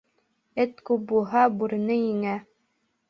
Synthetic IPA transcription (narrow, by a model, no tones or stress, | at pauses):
ɘt̪kup̚bulˠɦɑbuɾɘ̆nɘjiŋæ